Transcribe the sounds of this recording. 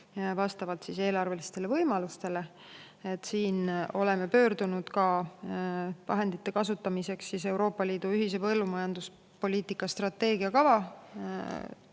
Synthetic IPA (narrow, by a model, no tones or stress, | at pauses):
vɑst̪ɑvɑlt̪sise̞ːlɑrve̞list̪e̞le̞vɤjmɑlust̪e̞le̞ | et̪ːˑsiːno̞le̞me̞pø̞ːɾd̪unud̪̥kɑ | vɑ̰ɦe̞nd̪it̪ːe̞kɑsut̪ːˑɑmise̞ksːise̞wɾo̞ːpːˑɑliːd̪̥uyɦise̞pɤ̞lːumɑjɑnd̪̥us | po̞lʲiːt̪ˑikːˑɑst̪rɑt̪ːe̞ːɡiɑkɑvɑ